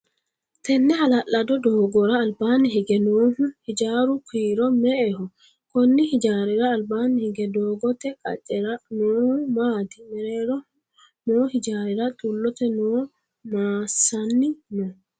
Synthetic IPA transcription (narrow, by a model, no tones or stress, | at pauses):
t̪ʰɛnːɛhɐlɐʔːɐd̪ɔd̪oːɡɔɾaːlbaːnɪɦɪɡɛnoːhʊhɪd͡ʒaːɾʊkʰiːɾɔmɛʔɛhɔ | kɔnːɪhɪd͡ʒaːɾɪɾɐːlbaːnɪhɪɡɛd̪oːɡɔt̪ɛkʼɐ̰t͡ʃʼːɛɾɐnoːhmaːd̪ɪmɛɾeːɾɔ | noːhɪd͡ʒaːɾɪɾɐt̪ʼulːɔt̪ɛnoː | maːsɐnːɪnɔ